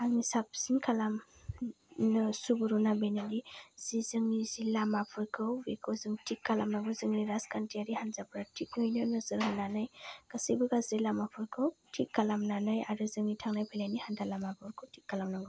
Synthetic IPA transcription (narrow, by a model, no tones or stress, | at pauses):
aɡnisab̚sinkʰalam | nɯsubuɾunabenaliz̥izɯŋnizilamapʰɔjkʰɯwwikʰɯwzɯŋtʰikːalamnaŋɡɯzɯŋniɾaskʰantʰiaɾihanzapʰɾatʰik̚nɔjnɯnɯzɯɾɦɯnanɯjkasijbɯɡazilamapʰɔjkʰɯwtʰikːalamnanɯjaɾɯzɯŋnitʰaŋnajpʰalajnihandalamapʰɔɾkʰɯwtʰikːalamnaŋɡɔ